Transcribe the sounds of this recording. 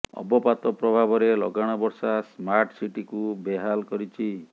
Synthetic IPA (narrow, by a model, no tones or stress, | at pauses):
ɔ̰bɔpat̪ɔpɾɔbʱabɔɾelɔ̰ɡaɽ̃ɔbɔɾsasmaɾʈsiʈikubeɦalkɔɾit͡ʃʰi